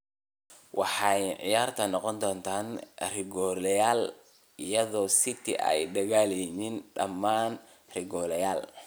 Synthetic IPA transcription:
wɑħɑjʕɪ̰jaːrt̪ʰɐnɔqɔnd̪ɔːnt̪ʰaːnrɪɡɔːlɛjaːl | ɪjɐðɔːsɪt̪ʰɪ̰ʔɛ̰jɖɐɣaːlɛniːnɖɐ̰mːaːn | rɪɡɔːlɛjaːl

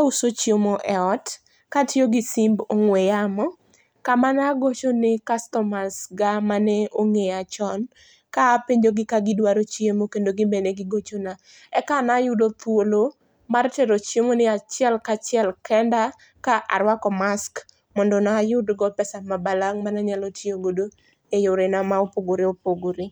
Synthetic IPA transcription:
kausot͡ʃjomoʔɛɔt | katjoɡɪsimboŋwejamɔ | kamanaɡot͡ʃonɪkastɔmasɡamanɛoŋeat͡ʃɔn | kaːpeɲd͡ʒoɡɪkaɡɪdwaɾot͡ʃjemokendoɡɪbeneɡɪɡot͡ʃona | ɛkanajʊdot̪wolo | marteɾot͡ʃjemonɪat͡ʃɪɛlkat͡ʃɪɛlkɛnda | kaʔa̰ɾwakɔmask | mɔndɔnaːjʊdɡɔpɛsamabalaŋmanaɲalɔtioɡodo | ejʊɾɪnamaopoɡoɾɪopoɡoɾɪ

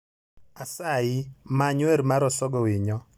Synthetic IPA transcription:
asaɪmaɲwɛɾmaɾɔsɔɡɔwiɲɔ

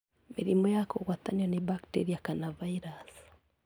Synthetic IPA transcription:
miɾimɔjakoɣwataniɔnibaktḛɾiakanavaiɾas

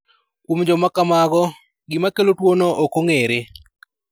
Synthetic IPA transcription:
kumd͡ʒɔmakamaɡɔ | ɡɪmakelotwonoʔokoŋeɾe

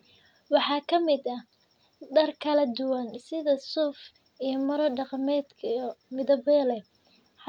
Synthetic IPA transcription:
wɑħɑːkʰɐmɪd̪ɐ | d̪ɐrkʰɐlɐd̪ʊwɐnsɪðɐsuːf | ijɞmɐɾɐɖɑqmɛːd̪kʰɐmɪðɐβlɛ

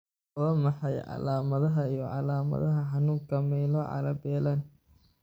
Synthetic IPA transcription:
lɐmɑħɑjʕɑ̰laːmɐðɐɦɐijɔʕɑlaːmɐ̰ðɐɦɐħɑnuːŋkʰɐmɛːlɔʕɑ̰ɾɐbɛːlaːn

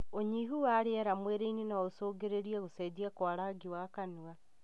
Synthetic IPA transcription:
oɲiɦuwaɾeɛɾamweɾeininaosoːɡeɾeɾiɛɣosɛdiakwaɾaɡiwakanua

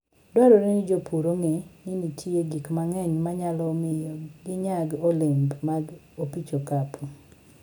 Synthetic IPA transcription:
dwaɾɔɾinɪd͡ʒopʰuɾoŋenɪnitʰieɡikmaŋɛɲmaɲalɔmɪjɔɡɪɲaɡolɪmbmaɡ | opit͡ʃokapʰu

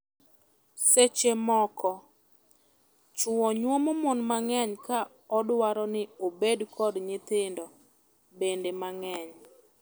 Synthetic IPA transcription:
set͡ʃemɔkɔ | t͡ʃʊɔɲwɔmɔmɔnmaŋɛɲka | ɔdwaɾɔnɪobedkʰɔdɲɪt̪ɪndɔ | bendemaŋɛɲ

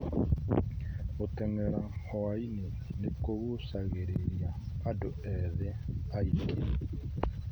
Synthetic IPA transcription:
otɛŋɛɾahoaine | nekoɣosaɣeɾeɾjaːdo | ɛðeaike

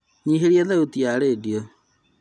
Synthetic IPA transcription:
ɲiɦeɾiaðautijaɾeːdiɔ

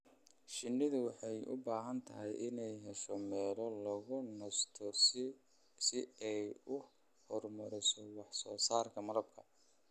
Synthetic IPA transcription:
ʃɪnːɪðʊwɑħɑjʊ̰baːɦɐnt̪ʰɐɦɛjʔɪnɛjɦɛʃɔmɛːlɔlɐɣʊnɐst̪ʰɔ | sɪɛjʊ | hɔrmɐɾɪsɔwɑħsɔːsaːrkʰɐmɐðɐb̚kʰɐ

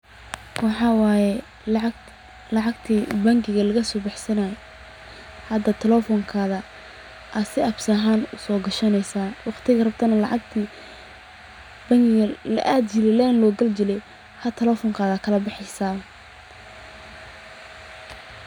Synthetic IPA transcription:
wɑħɑwaːjɛ | lɐʕɑɡt̪ʰiːbɐŋɡɪɣɐlɐɣɐsɔːbɑħsɐnaːj | hɐd̪ɐt̪ʰɪlɛfɔŋkʰaːðɐ | ʔɐsɪʔɐbsɐɦaːnʊsɔːɡɐʃɐnɛjsaːwɑχt̪ʰɪɣɐrɐbt̪ʰɐnɐlɑ̰ʕɑɡt̪ʰi | bɐŋɡɪɣɐlɐ̰ʔaːd̪jɪlɪlɛnlɔːɡɐld͡ʒɪlɛj | hɐt̪ʰɛlɔfɔŋkʰaːðɐkʰɐlɐbɑħɛjsaː

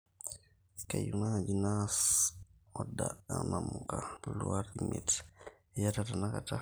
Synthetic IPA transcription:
kajunad͡ʒinas | ɔdaɗanamukabuluaɾdimɛ̰t | jatatanakata

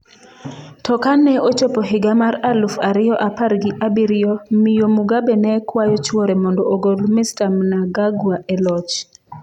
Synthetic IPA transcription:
tɔkanɛot͡ʃopoɦɪɡamaɾalufaɾɪjɔʔapaɾɡɪʔabiɾɪjɔmɪjomuɡabɛnɛkwajɔt͡ʃwoɾɛmɔndɔoɡolmɪstamnaɡaɡwaʔɛlɔt͡ʃ

